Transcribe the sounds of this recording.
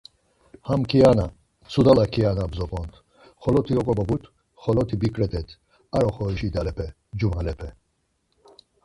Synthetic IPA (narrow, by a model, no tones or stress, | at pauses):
hamkʰiana | t͡sʰud̪alakʰianabzɔpʼɔnt̪ʰ | χɔlɔt̪ʰiɔkʼɔbɔbut̪ʰ | χɔlɔt̪ʰibikʼɾɛt̪ʰʼɛt̪ʰ | aɾɔχɔʃid̪alɛpʰɛ | d͡ʒumalɛpʰɛ